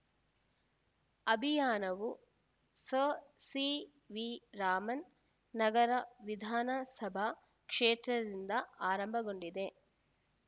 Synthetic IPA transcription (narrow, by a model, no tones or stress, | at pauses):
ɐbʱijaːnɐʋu | sɐsi | ʋiɾaːmɐnː | ɐɡɐɾɐʋid̪ʱaːnɐsɐbʱa | kʂeːt̪ɾɐd̪ind̪ɐaːɾɐmbʱɐɡo̞ɳɖid̪e̞